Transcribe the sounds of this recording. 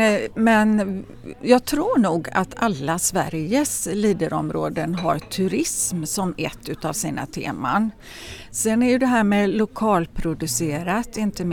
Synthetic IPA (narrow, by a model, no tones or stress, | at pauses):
mɛn | jɑːɡ̚t̪ʰɾuːɳuːɡa̰t̪ʰalːasvæ̰ɾjəsliːd̪əɾɔ̰mɾoːd̪ənɦaɾt̪ʰɵɾɪsmsɔmɛt̪ːʉ̟ːt̪avsiːna̰t̪ʰḛːma̰n | sɛnæɾjɵd̪ɛɦæːɾmeːlʊkʰɑːlpʰɾʊd̪ɵseːɾat̪ɪnt̪əm